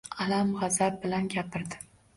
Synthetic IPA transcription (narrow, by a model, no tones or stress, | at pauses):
alamʁazab̚bɪlanɡʲapʰɪɾd̪ɪ